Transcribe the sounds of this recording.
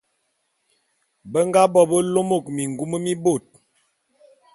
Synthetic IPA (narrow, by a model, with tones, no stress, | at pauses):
bə˦ŋɡa˦bɔ˦bə˦lo˦mo˦˨k̚mi˨ŋɡu˦mə˦mi˦bo˦˨t̚